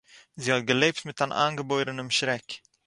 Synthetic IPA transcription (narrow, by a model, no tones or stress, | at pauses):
ziːhɔt̚ɡəleːp̚tmɪtaːnʔa̰ːnɡəboɪɾənəmʃɾɛk